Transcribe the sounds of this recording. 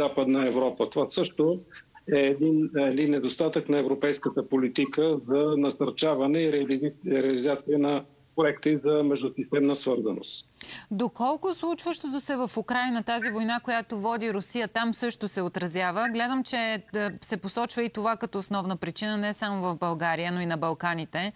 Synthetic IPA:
zapəd̪nəɛvɾɔpət̪ovasɤʃt̪oɛːd̪inɛd̪inːɛd̪ost̪at̪əknɐɛvɾopɛjskət̪əpolit̪ikəzɐnɐsɐɾt͡ʃavɐnɛiɾɾɛɐlizat̪siənɐ | pɾoɛkt̪izɐmɛʒd̪ʊsist̪ɛmnəsvɤɾzɐno̰st̪ | d̪okɔlˠkʊslˠut͡ʃvəʃt̪ot̪osɛvɐfʊkɾajnɐt̪azivojnakojat̪ovɔd̪iɾʊsijət̪amsɤʃt̪osɛot̪ɾɐzjavəɡlɛd̪əmt͡ʃɛsɛposɔt͡ʃvəit̪ovakɐt̪ɔːsnɔvnəpɾit͡ʃinənɛsamovɐvbɐlˠɡaɾijənoinɐbɐlˠkanit̪ɛ

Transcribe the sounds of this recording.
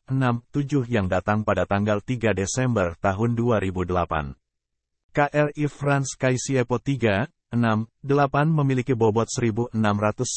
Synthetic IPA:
ənamt̪ud͡ʒʊhjaŋdat̪aŋpadat̪aŋɡalt̪iɡadesɛmbərt̪aɦʊnduaɾibudəlapa̰n | kaʔɛrifɾanskajisiɛpɔt̪iɡa | ənamdəlapanməmilikibɔbɔt̪̚səɾibuʔənamrat̪ʊs

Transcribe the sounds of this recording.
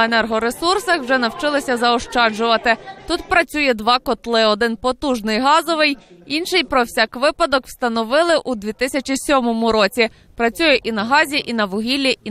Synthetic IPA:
enɛrɦɔɾesursɐxwʒɛnɐwt͡ʃɪlˠɪsʲɐzɐɔʃt͡ʃɑd͡ʒʊʋɐt̪ɪt̪ut̪pɾɐt͡sʲujɛd̪ʋɑkɔt̪lˠɪɔd̪ɪnpɔt̪uʒnɪjɦɑzɔʋɪjinʃɪjpɾɔwsʲɑkʋɪpɐd̪ɔkwst̪ɐnɔʋɪlˠɪʔud̪ʲʋʲit̪ɪsʲɐt͡ʃisʲɔmɔmʊɾɔt͡sʲi | pɾɐt͡sʲujɛʔinɐɦɑzʲiʔinɐʋʊɦʲilʲːi

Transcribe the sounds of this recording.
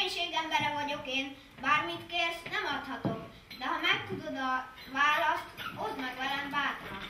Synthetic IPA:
ɲʃeːɡɛmbɛɾɛvɒɟo̞keːn | baːrmit̪keːrsnɛmɒt̪hɒt̪o̞k | d̪ɛɦɒmɛk̚t̪ud̪o̞d̪ɒ | vaːlɒst̪ozmɛɡʋɛɾɛɱvaːt̪o̰

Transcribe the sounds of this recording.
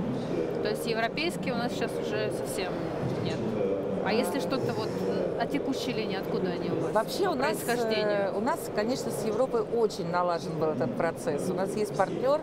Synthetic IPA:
t̪o̞ɪsʲtʲjɪvɾɐpʲejskʲɪjʊnasɕasʊʐɛsɐfsʲe̞m | nʲet̪ | ɐ̰jesʲlʲɪʂt̪o̞t̪əvot̪ɐtʲɪkuɕːɪjlʲinʲɪːɐt̪kud̪əɐnʲiʊɡovɐpɕːe̞ʊnaɪsxɐdʲenɪʊnaskɐnʲe̞ʂnəsjɪvɾo̞pɨʔo̞t͡ɕɪnʲnɐlˠaʐənbɨlˠɛt̪ət̪̚pɾɐt̪sɛsʊnasjesʲt̚ʲpɐrtʲnʲo̞r

